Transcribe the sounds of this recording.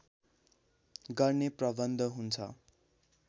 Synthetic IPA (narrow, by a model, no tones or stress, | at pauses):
ɡʌrneprʌbʌnd̪ʱʌɦunt͡sʰʌ̰